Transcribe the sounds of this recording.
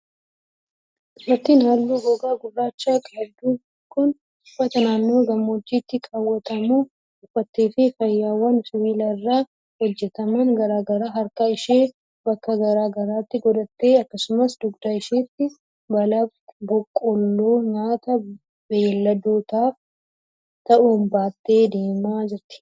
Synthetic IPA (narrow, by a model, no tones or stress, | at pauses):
ʔɪfɐt̪ːinaːlːuːɡɔɡaːɡʊrːaːt͡ʃːaːkʼad̪uː | kʊn | ʊfːɐt̪ɐnaːnːo̞ːɡɐmːɔd͡ʒːiːt̪ːɪkʼaːwːɐt̪ɐmuː | ʔʊfɐt̪ːeːfɪfɐjːaːwɐnsʼʊwiːlɐrːaː | hɔd͡ʒːɛt̪ɐmɐnɡɐɾaːɡɐɾaːɦɐɾkaɪʃeː | bɐkːɐɡɐɾaːɡɐɾaːt̪ːɪɡɔᶑɐt̪ːe̞ːɐkːɐsʊmɐsd̪ʊɡd̪aːɪʃeːt̪ːɪ | bɐlɐ | bɔkʼːɔlːoːɲaːt̪ɐ | bɛɛlːɐd̪oːt̪aːf | t̪ɐʔʊnbaːt̪ːe̞ːd̪e̞ːmaːd͡ʒɪɾt̪ɪ̥